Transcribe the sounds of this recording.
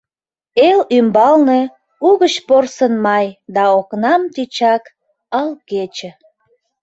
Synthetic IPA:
elymbɑlne | uɣət͡ɕporsənmɑjd̪ɑoknɑmt̪it͡ɕɑk | ɑlket͡ɕĕ

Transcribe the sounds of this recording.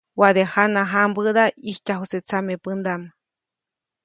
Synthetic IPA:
waðehanaɦambɨðaihcaɦuset͡samepɨnd̪ama

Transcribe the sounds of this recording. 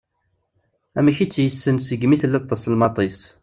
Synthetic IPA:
æmæçit͡sːjəsːənsəɡmiθlːɑt̪ˤːɑslmɑt̪ˤis

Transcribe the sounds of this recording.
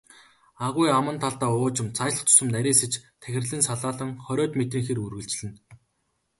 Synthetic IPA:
aʁʊjamə̆nt̪ʰaɮt̪aːʊːt͡ɕɪ̆mt͡sʰat͡ɕɮə̆χt͡sʰʊ̥sɵ̆mnæɾʲiːsĕt͡ɕt̪ʰæxʲɪ̆rɮĭːnsaɮaːɮə̆ŋχɔɾʲɔːt̪met̪riːŋxerurɣɘ̆ɬt͡ɕɮɘ̆n

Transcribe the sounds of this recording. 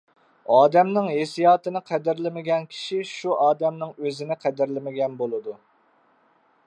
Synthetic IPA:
ɑːd̪ɛmnɪŋɦesijɑːt̪ɨnɨqʰɛd̪ɪɾlɪmɪɡʲɛnkʲʰi̥ʃiʃuʔɑːd̪ɛmnɪŋøzɪnɪqʰɛd̪ɪɾlɪmɪɡʲɛnbolˠɨd̪u

